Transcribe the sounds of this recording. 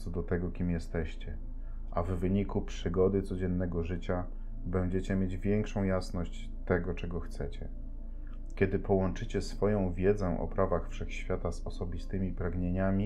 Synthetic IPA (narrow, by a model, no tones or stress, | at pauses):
sɔd̪ɔt̪ɛɡɔkʲimjɛst̪ɛɕt͡ɕɛ | ʔavːɘɲikupʂɘɡɔd̪ɘt̪sɔd͡ʑɛnːɛɡɔʐɘt͡ɕa | bɛɲd͡ʑet͡ɕɛmʲjed͡ʑvʲjɛŋkʂɔ̃w̃jasnɔɕt͡ɕ | t̪ɛɡɔt͡ʂɛɡɔxt̪sɛt͡ɕɛ̰ | kʲjɛd̪ɘpɔwɔnt͡ʂɘt͡ɕɛsfɔjɔ̃w̃vʲjɛd̪zɛʔɔ̰pɾavaxfʂɛxɕfʲjat̪azɔsɔbʲist̪ɘmʲipɾaɡɲeɲamʲi